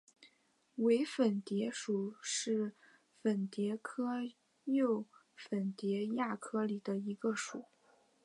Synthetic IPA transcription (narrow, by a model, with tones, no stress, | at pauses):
we˧˥ɪfə˨˩nt̪jɛ˧˥ʂu˨˩ʂɻ̩˥˩ | fə˨˩nt̪jɛ˧˥kʰɤ˥ | jo˥˩ʊ | fə˨˩nt̪jɛ˧˥ja˥˩kʰɤ˥li˨˩d̪ə˦i˧˥ɡə˧ʂu˨˩˦